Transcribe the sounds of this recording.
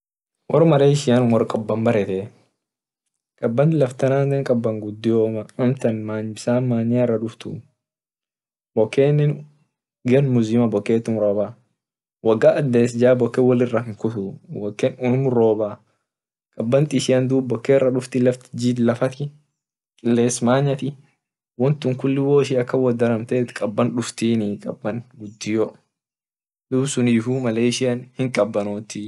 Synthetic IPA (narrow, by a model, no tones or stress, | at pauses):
wʔɔɾmɐɾeːɪʃɪjɐnwɔɾkʼɔbːɐmbɐɾɛt̪ɛ | kʼɐbːɐnt̪ɪlɐft̪ɐnaːnd̪ɛŋkʼɐbːɐŋɡʊd̪ːɪjoːmɐʊmt̪ɐnmaːnɪsaːmaːnɪarːɐᶑʊft̪ʊ̰ | bɔkːeːnːɛn | ɡɐnmʊzimɐbɔkːeːt̪ːʊmɾoːba | wɐɡaːɐd̪ːeːs̬ɪd͡ʒaːbɔkːɛwɐlɪrːɐkɪŋkʊt̪ʊwɔkːɛnʊmɾoːbaː | kʼɐbːɐnt̪ʼɪsɪjɐnd̪uːbbɔkːeːɪrːɐᶑʊft̪ɪlɐft̪ɪ̥d͡ʒid̪lɐfɐt̪ɪ | kʼɪlːeːsmaːɲːɐt̪ɪ | wɔnt̪ːʊŋkʊlːɪwoːɪʃiɐkːɐwɐd̪ɐɾɐmt̪eːt̪kʼɐbːɐnᶑʊft̪iːnɪkʼɐbːɐnɡʊd̪ːɪjɔ | d̪uːbsʊniːfumɐleːɪʃɪjɐnhɪŋkʼɐbːɐnoːt̪ɪ